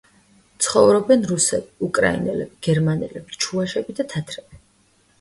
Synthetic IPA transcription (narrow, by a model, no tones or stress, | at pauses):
t̪sʰχɔvɾɔbɛnɾusɛbiukʼɾa̰ḭnɛlɛbiɡ̥ɛɾmanɛ̰lɛb̥i̥t͡ʃʰuaʃɛbid̪at̪ʰat̪ʰɾɛb̥i